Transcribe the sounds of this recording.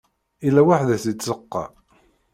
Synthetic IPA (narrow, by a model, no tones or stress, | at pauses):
ilːæwaħðæθit͡sːəqːɑ̰